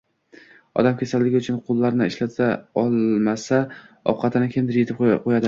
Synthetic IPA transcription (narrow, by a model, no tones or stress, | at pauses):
ɒ̰d̪amkʲʰesald̪ɪɡʲɪʊt͡ʃʰʊnqʰʊlˠːaɾnɪɪʃlat̪ʰaɒlˠmasa | ɒ̰qʰɑt̪ʰɪnɪkʲʰemd̪ɪɾjet̪ʰɪp̚ʰqʰojad̪ɪ